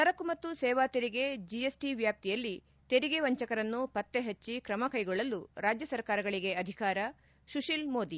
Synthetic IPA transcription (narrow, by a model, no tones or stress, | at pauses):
t̪ɐɾɐkːumɐt̪ːusɛːʋaːt̪eɾiɡe̞d͡ʒiesʈiʋjaːp̚t̪ijɐlːi | t̪e̞ɾiɡeʋɐɲt͡ʃɐkɐɾɐnːupɐt̪ːe̞ɦɐt͡ʃːikɾɐmɐkɐjɡɔɭːɐluɾaːd͡ʒjɐsɐɾkaːɾɐɡɐɭiɡe̞ɐd̪ʱikaːɾɐ | ʃuʃilmo̞ːd̪i